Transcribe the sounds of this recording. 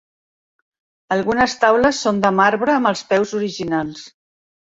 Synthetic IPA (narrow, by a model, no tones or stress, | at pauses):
əlˠɣunəst̪awləsːond̪əmaɾβɾəːməlˠspɛwzuɾiʒinalˠs